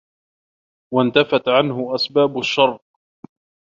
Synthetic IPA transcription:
want̪afat̪ʕanhʊʔasbaːbʊʃːɑrˤ

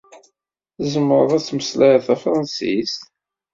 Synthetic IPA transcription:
zəməɾˤðˤæt͡sːməslæjθæfɾˤɑnsḭst̪

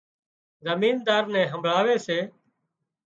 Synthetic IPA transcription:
zəmiːnd̪aːɾnɛ̃ːɦəmbʱɭaːʋeːseː

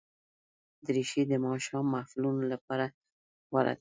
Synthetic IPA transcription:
d̪əɾiʃed̪əmɑʃɑmːafilunolapɑɾa | waɾa̰d̪

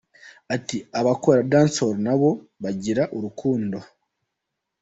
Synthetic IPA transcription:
atiaβakoɾadaːnsoɾnaβo̞ | βaɟiɾaʔuɾukʰuːndo̞

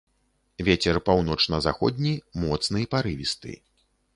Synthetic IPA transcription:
vʲet͡sʲɛrpawnɔt͡ʂnɐzaxɔd̪ʲnʲimɔt̪snɨjɛpaɾɨvʲist̪ɨ̰

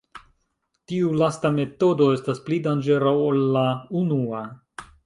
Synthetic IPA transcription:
tiulastame̞to̞do̞e̞stasplidand͡ʒeɾawolːaunua

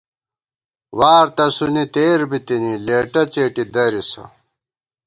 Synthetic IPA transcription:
waːɾt̪ɐsunit̪eːɾbit̪inileːʈɐt͡seːʈid̪ɐɾisɐ̰

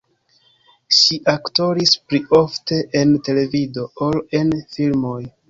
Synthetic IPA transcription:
ʃiʔakto̞ɾispliʔo̞fte̞ʔente̞le̞vido̞ole̞nfilmo̞j

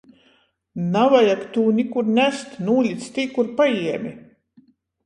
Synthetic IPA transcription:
navajakt̪uːnʲikuɾnʲæst̪nuːlʲit̪st̪iːkuɾpajiɛmʲi

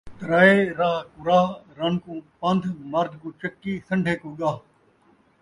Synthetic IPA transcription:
t̪ɐɾaːeːɾaːɦkuɾaːɦɾɐnkũːpãnd̪ʱmɐɾd̪ʱkũːt͡ʃɐkːiːsɐɳɖʱeːkũːɠaːɦ

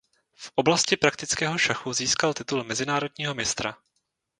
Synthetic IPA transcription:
fʔo̞blascɪpɾak̚t̪ɪt͡skɛːɦo̞ʃaxuziːskalt̪ɪt̪ulmɛzɪnaːɾo̞dɲiːɦo̞mɪst̪ɾa

